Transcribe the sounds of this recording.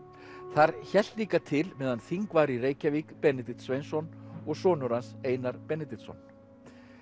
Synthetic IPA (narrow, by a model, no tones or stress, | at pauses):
θaɾçɛl̥t̪liːkat̪ʰɪlmɛːðanθiŋkvaːɾiɾeːjcavikpɛnɪt̪ɪt̪svejnsɔnɔɣsɔːnʏɾanseːjnaɾpɛnɪt̪ɪt̪sɔ̰n